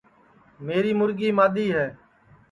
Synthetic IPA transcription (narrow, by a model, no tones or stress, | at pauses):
meːɾiːmʊɾɠiːmaːɗ̪iːɦɛː